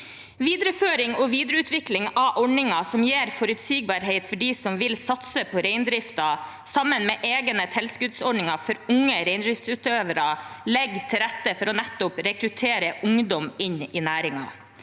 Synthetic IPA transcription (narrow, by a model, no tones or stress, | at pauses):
ʋiːd̪ɾəføːɾɪŋɔːʋiːd̪ɾəʉːt̪ʋɪklɪŋɑʔɔɳɪŋɑsɔmjeːɾfɔɾʉt̪siːɡ̚bɑɾɦeɪt̪fɔɖiːsɔmʋɪlsɑt̪səpʰɔɾeɪnd̪ɾɪft̪ɑ | sɑmənmeːʔeːɡənət̪ʰɛlskʉd̪sɔɖɳɪŋɑfɔɾʊŋːəɾeɪnd̪ɾɪft̪sʉt̪øːʋəɾɑlɛɡt̪ʰɪlɾɛt̪ːəfɔɾɔnɛt̪ːʊpɾɛkɾʉt̪ʰeːɾəʔʊŋd̪ɔmɪnɪnæːɾɪŋɑ̰